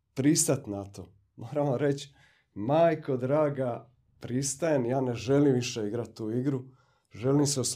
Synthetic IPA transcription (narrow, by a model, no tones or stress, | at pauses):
pɾist̪at̪nat̪o | mʔoːɾamoɾe̞t͡ɕ | maːjko̞d̪ɾaːɡa | pɾist̪ajemjaːne̞ʒe̞limʋiʃe̞iɡɾat̪̚ːuːiɡɾu | ʒe̞limseos